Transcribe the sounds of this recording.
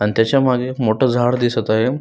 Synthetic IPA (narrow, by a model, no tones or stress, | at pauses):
anit̪jat͡ɕjamaɡemoʈʰəːd͡zʱaɽd̪isət̪aɦe